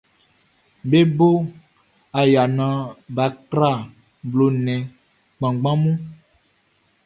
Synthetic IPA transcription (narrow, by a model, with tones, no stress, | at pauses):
be˦bo˦ | a˨ja˨nã˨˦ba˨kɾa˦˨ | blo˨nɛ̃˨ | k͡pã˨ɡ͡bã˦mũ˦